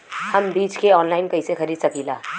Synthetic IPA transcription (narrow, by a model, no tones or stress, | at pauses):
həmbiːt͡ʃkeɔːnlaːɪnkɐɪsexɐɾiːd̪sɐkiːlaː